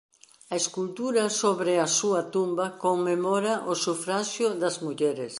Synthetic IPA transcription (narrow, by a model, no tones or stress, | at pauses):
ɐeskult̪uɾɐsoβɾeasuɐt̪umbɐkoŋmemɔɾaʔosufɾaʃjʊðɐzmuʎɛɾes